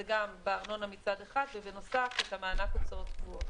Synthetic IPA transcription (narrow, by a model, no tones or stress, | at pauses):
eɡambeaʁno̞namit͡sad̪eχad̪vevenosafet̪hamaːnakot͡saʁot̪vua